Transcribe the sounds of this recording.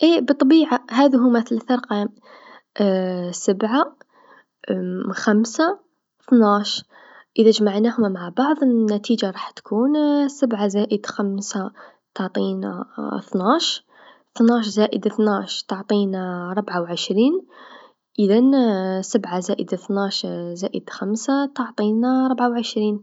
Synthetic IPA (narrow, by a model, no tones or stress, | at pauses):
ʔibət̪ˤːɑbiʕahæðɦumæθlθɑɾˤqɑm | səbʕa | xæmsa | θnaʃ | ʔəðæʒmaʕnæhʊmmaʕabɑʕðˤənːæt̪id͡ʒaɾˤɑħt̪kʰunsəbʕazæʔəd̪xæmsa | t̪oʕt̪ˤina̰θnɑʃ | t̪nɑʃzæʔəd̪θnæʃt̪oʕt̪ˤinaɾˤəbʕawʕəʃɾin | ʔəðænsəbʕazæʔəd̪θnæʃzæʔəd̪xæmsat̪oʕt̪ˤinaɾˤəbʕawʕəʃɾiːn